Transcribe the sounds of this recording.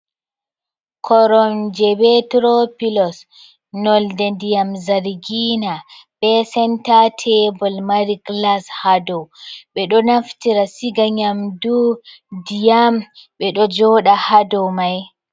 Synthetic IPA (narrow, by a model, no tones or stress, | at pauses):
kʰɔɾɔnd͡ʒɛbɛtɾɔpilɔs | nɔldɛndijamzaɾɡinaɓɛsɛntatʰɛbɔlmaɾiklashadɔɓɛɗɔnaftiɾasiɡaɲamdu | dijamɓɛɗɔd͡ʒɔːɗahadɔmaj